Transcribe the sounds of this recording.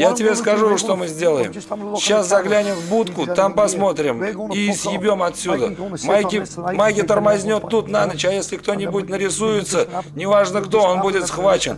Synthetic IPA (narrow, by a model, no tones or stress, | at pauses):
jatʲɪbʲeskɐʐuʂt̪o̞mɨzʲdʲe̞lˠəjɪ̰m | ɕaszɐɡlʲanʲɪmvbut̪kʊt̪ampɐsmo̞t̪ɾʲɪmiːsjɪbʲomɐt̪sʲud̪əmajkʲɪmajɡʲɪt̪ərmɐzʲnʲo̞t̪ːut̪nanət͡ɕajesʲlʲɪkt̪o̞nʲɪbuɪt̚ʲnəɾʲɪsujɪt̪sənʲɪvaʐnəkt̪o̞onbudʲɪt̪sχvat͡ɕɪn